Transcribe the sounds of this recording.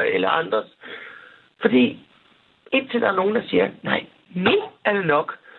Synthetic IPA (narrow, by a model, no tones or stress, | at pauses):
elɐɑ̈nd̥ʁɐs | fɒ̽d̥ḭː | ed̥̚t͡sʰe̝ld̥ɑ̈æɐno̝ːn̩d̥ɑ̈siːɐnɑ̈ɪ̰ | nyæɐd̥e̝nɒ̽ɡ̥